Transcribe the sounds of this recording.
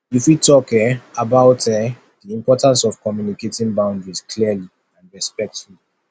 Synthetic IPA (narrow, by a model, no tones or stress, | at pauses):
ifwitɔkɛabaʊtɛ | diĩmpɔtãnsɔv̥kɔmjuniketĩnbãʊ̃ndɹiz̥kʰliəli | ãnɹɛspɛk̚tfulii